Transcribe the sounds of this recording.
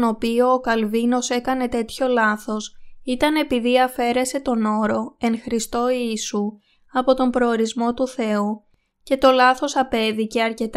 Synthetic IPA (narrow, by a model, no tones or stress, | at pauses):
no̞pioːkɐlvino̞se̞kɐne̞t̪e̞t̪ço̞lɐθo̞sit̪ɐne̞piðiɐfe̞ɾe̞se̞t̪o̞no̞ɾo̞e̞ŋxɾist̪o̞iːsu | ɐpo̞t̪o̞mbɾo̞ːɾizmo̞t̪uθe̞u | ce̞t̪o̞lɐθo̞sɐpe̞ðice̞ɐɾce̞t̪